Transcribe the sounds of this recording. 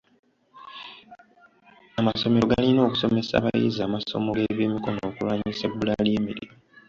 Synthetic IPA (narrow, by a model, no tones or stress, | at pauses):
amaso̞me̞ɾo̞ɡalino̞ːku̥so̞me̞sa̰βajḭzaːmaso̞̰mo̞ɡe̞βjiːmiko̞no̞ːkulwaːɲisebulaliemiɾɾḭ